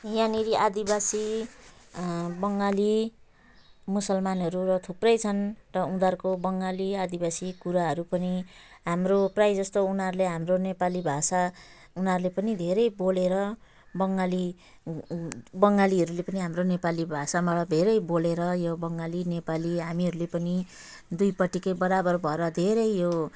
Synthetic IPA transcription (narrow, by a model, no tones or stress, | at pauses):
janiɾiʔad̪ibasi | bʌŋɡali | musʌlmanɦʌɾuɾʌt̪ʰuprʌjt͡sʰʌnrʌũd̪arkobʌŋɡaliad̪ibasikuɾaɦʌɾupʌniɦamroprajd͡zʌst̪ounarleɦamronepalibʱasa | unaɾulepʌnid̪ʱeɾʌjboleɾʌ | bʌŋɡali | bʌŋɡaliɦʌɾulepʌniɦamronepalibʱasamaɽʌd̪ʱeɾʌjboleɾʌjobʌŋɡalinepaliɦamiɦʌɾulepʌni | d̪ujpʌʈikʌjbʌɾabʌrbʱʌeɾʌd̪ʱeɾʌjjo